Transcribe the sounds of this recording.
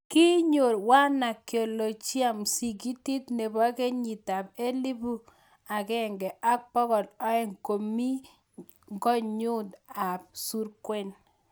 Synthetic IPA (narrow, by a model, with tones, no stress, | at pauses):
ki˦ɲo˨ɾwa˦na˨kːjo˨lo˨t͡ʃi˦a˨msi˨k̬i˦ti˦tne˨bɔ˦ke˦ɲi˨ta˨p̚e˦li˦bu˦ | a˨kɛ˦ŋɡɛ˨ʔa˦k̚pɔ˦kɔ˨lɔ˦ɛ˦˨ŋko˨mi˦ | ŋɡɔ˦ɲu˦ta˨p̚su˦ɾkwɛ˦n